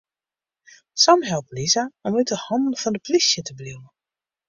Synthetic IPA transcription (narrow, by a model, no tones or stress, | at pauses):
sɔmɦɛlˠplizaɔmytəhɑndn̩fɑndəplisjətəbliwə